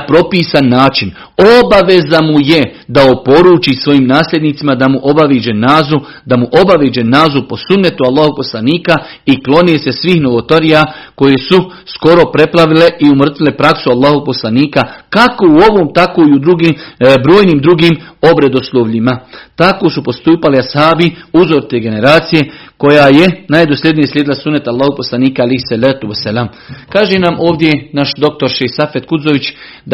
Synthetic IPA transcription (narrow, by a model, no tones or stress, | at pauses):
pɾo̞piːsanːaːt͡ʃin | o̞baʋe̞zamuje̞ | d̪aopo̞ɾuːt͡ʃisʋo̞jiːmnaːslʲe̞d̪niːt̪simad̪amuʔo̞baʋeːd͡ʒenaːzu | d̪amuʔo̞baʋeːd͡ʒenaːzupo̞sunːet̪ualˠːaːhoupo̞slˠaniːka | iklˠo̞nese̞sʋiːhno̞ʋot̪oɾijako̞je̞su | sko̞ɾo̞pɾe̞plˠaʋile̞ʔiumr̩t̪ʋilepɾaksualːaːhopo̞slˠaniːkakako̞uo̞ʋoːmt̪akoiud̪ɾuɡibɾoːjniːmd̪ɾuɡiːmo̞bɾed̪o̞slˠoːʋʎimat̪akosupo̞st̪uːpaliashaːbiuzo̞ɾt̪eɡe̞ne̞ɾaːt̪sije̞ | ko̞jaːje̞najd̪oslʲe̞d̪nijeslʲeːd̪ilasunːet̪alˠːaːhoposlˠaniːkaalejhsalaːt̪uʋasːalaːm | kaːʒe̞namʔo̞ːʋd̪je̞naʃd̪o̞k̚t̪o̞ɾʃehsafe̞t̪kud̪zoʋit͡ɕ | d̪